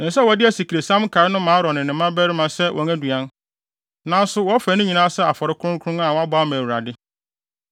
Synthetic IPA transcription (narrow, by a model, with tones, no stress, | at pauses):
nɪ̃˨sɛ˦wɔ˨˦dɪ˦æ˨si˨kʰɾe˨sã˦m˦kʰa˨ɾɪ˦nʊ̃˦mãː˨˦ɾɔ˨nɪ̃˨nɪ̃˨˦mã˦bæ˦ɾɪ˦mã˨sɛ˦wʔɔ̰˨ŋæ̃˦du˨ã˦n | nã˦n˦sʊ˦wɔ˦fæ˨˦nʊ̃˦ɲĩ˨nãː˦sɛ˦a˨fɔ˨ɾɪ˦kʰʊ˦ʊ̃˦kʰʊ̃˦a˨wɔ˨˦a˦bɔ˨˦a˦mæ̃ː˨u˨ɾa˨dɪ˦